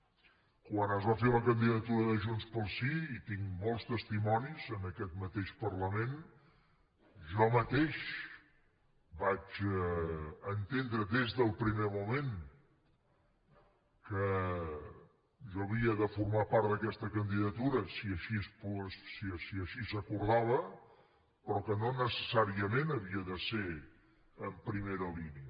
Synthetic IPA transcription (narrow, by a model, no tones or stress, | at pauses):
kwanazβafeũləkənd̪iðət̪uɾəðəʒunspəlˠsiit̪iŋmɔlˠst̪əst̪imɔnizənəkɛt̪mət̪eʃpərləmen | ʒɔmət̪eʃ | bad͡ʒɛənt̪end̪ɾəd̪ezðəlˠpɾimemumen | kə | ʒɔəβiəðəfurmapaɾt̪ðəkɛst̪əkənd̪iðət̪uɾəsiəʃispssiəsiəʃisəkuɾðaβə | pɾɔkənonəsəsaɾiəmenəβiəðəse | əmpɾimeɾəliniə